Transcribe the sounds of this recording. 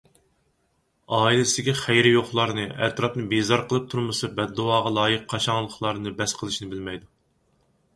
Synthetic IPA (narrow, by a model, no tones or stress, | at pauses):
ɑːilˠɪsɪd̪ɪɡʲiχæjɾɪjoχlˠɑɾnɨɛ̰t̪ɾɑpnɨbezɑɾqʰəlˠɨp̚t̪ʰuɾmɨsɨbɛd̪ːuwɑːʁɑlˠɑːjɨqʰːɑʃɑŋlˠəχlˠɑɾnɨbɛsqʰəlˠɨʃnɪbɪlmɛjd̪u